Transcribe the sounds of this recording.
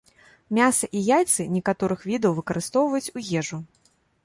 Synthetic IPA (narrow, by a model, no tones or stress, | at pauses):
mʲasɐʔijajt̪sɨnʲɛkat̪ɔɾɨxvʲid̪ɐwvɨkɐɾɨst̪ɔwvɐjut͡sʲujɛʐu